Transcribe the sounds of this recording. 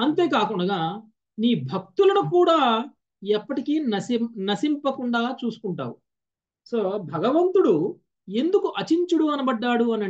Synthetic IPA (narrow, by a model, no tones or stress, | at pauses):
ɐnt̪e̞ːkaːkuɳɖɐɡaː | niːbʱɐk̚t̪ulɐnukuːɽaː | ɛpːɐʈikiːnɐsnɐsimpɐkuɳɖaːt͡ʃuːsu̥kuɳʈa̰ːwu | so̞ːbʱɐɡɐʋɐnt̪uɽu | e̞nd̪ukuʔɐt͡ʃiɲt͡ʃuɽuɐnɐbɐɖːaːɽuɐnɐ